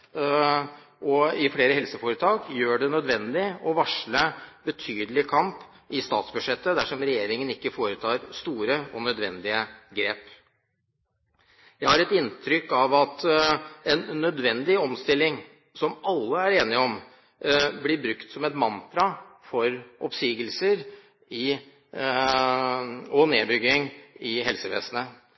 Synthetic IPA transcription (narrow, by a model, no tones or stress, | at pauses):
ʔɔɪfleːɾəhɛlsəfoːɾət̪ʰɑːɡjøːɖɛnœd̪ʋɛnd̪ɪɔʋɑʂɭəbət̪ʰyːd̪əlɪkʰɑmp | ɪst̪ɑːt̪sbʉʂɛt̪ːəd̪æʂɔmɾɛjeːɾɪŋənɪkːəfoːɾət̪ʰɑːɾst̪uːɾəɔnœd̪ʋɛ̰nd̪ɪəɡɾeːp | jæɪhɑɾɛt̪ɪnt̪ʰɾʏkːɑʋɑt̪ | ɛnːœd̪ʋɛnd̪ɪɔmst̪ɪlːɪŋ | sɔmɑlːəæɾeːnɪɔm | blɪbɾʉkt̪sɔmɛt̪mɑnt̪ɾɑfɔɾʔɔpsiːɡəlsəɾ | ɪ | ɔneːbʏɡɪŋɪɦɛlsəʋḛːsənə